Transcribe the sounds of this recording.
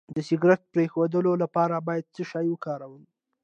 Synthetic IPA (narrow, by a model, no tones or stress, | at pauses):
d̪əsɪɡɾaʈ̚pɾexod̪əlolapɑɾabɑjad̪̚t͡səʃɑjwəkɑɾawəl